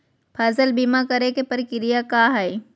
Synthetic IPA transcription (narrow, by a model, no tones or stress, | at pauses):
pʰaːzəlbimakɐɾekepɐɾkɪɾijakaːɦaj